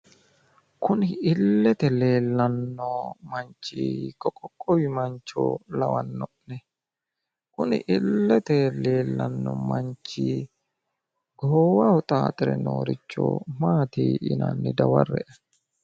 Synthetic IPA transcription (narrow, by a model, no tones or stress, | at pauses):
kʰʊnɪɪlːɛt̪ɛle̞ːlːɐnːɔmɐnt͡ʃːiːkʼɔkʼːɔkʼːɔwɪmɐnt͡ʃːo̰ːlɐwɐnːɔʔnɛ | kʊnɪ̰ʔɪlːɛt̪ɛle̞ːlːɐnːɔ̰mɐnt͡ʃiː | ɡoːwɐɔt̪ʼaːt̪ʼɪɾɛ̰no̰ːɾɪt͡ʃːo̰ːmaːt̪iːʔɪnɐ̰nːɪd̪ɐwɐ̰rːɛ̰ʔɐ